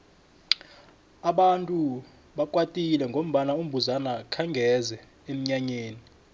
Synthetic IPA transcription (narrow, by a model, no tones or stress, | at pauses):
aɓantʼu | ɓakʼwatʼilɛŋɡʱom̩ɓanaum̩bʱuzanakʰaŋɡʱɛzɛ | em̩ɲaɲeːni